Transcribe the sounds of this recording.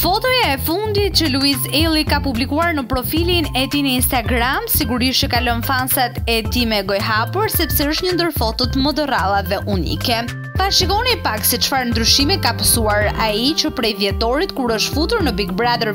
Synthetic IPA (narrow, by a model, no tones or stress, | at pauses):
fɔt̪ɔjaɛfund̪it̪̚t͡ʃəluizɛlˠikapublikuaɾnəpɾɔfilinɛt̪inəinst̪aɡɾamsiɡuɾiʃəkalɔnfansat̪ɛt̪imɛɡɔjɦapuɾsɛpsɛəʃt̪ɲənd̪əɾfɔt̪ɔt̪məd̪əɾalˠavɛʔunḭkɛ | faʃikɔnipaksɛt͡ʃfaɾnd̪ɾyʃimikapəsuaɾait͡ʃəpɾɛjðjɛt̪ɔɾit̪kuɾəʃt̪fut̪uɾnəbiɡbɾaðəɾ